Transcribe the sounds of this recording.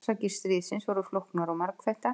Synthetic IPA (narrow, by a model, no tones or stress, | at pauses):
sacɪ̥st̪ɾiːðsɪnsvɔɾʏflohknaɾɔwmaɾkθɛjht̪a